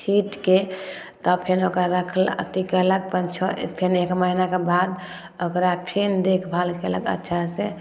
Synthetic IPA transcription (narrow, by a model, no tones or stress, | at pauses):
siʈke | t̪ɔpʰenokɾaɾəkʰələ̰t̪ikələɡ̚pənt͡ʃʰəpʰenekməɦinakebad̪ | okɾapʰend̪ekʰbʱalkeələɡə̰tːʃʰasẽ